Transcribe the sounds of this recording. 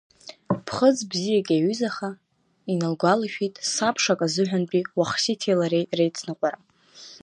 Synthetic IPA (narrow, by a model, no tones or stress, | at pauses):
pʰχəd͡zbzijakʲʼaɥyzaχa | inalɡʷalaʃᶣitʼsapʰʂakʼazɨħᶣʷanpʼiwaχsitʰelaɾejrejt͡sʰnɨqʷʼaɾa